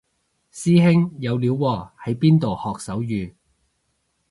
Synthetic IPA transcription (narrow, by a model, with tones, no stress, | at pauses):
siː˥ɦɪ˥ŋjɐ˨˧wliː˨˥wwɔː˧˩hɐ˨˥jpiː˥nt̪o˨whɔː˨k̚sɐ˨˥wjyː˨˧